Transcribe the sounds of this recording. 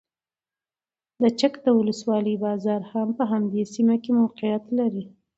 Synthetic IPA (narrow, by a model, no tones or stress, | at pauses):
d̪ət͡ʃakd̪əwʊləswɑləjbɑzɑɾhampəɦamd̪esimakemawqɪjat̪laɾi